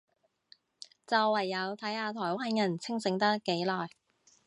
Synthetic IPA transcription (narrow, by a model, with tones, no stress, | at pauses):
t͡sɐ˨wːɐ˨˩jːɐ˨˧wt̪ʰɐ˨˥jhaː˧t̪ʰɔː˨˩jwaː˥njɐ˨˩nt͡sʰɪ˥ŋsɪ˨˧˥ŋt̪ɐ˥kːe˨˥jlɔː˨˩j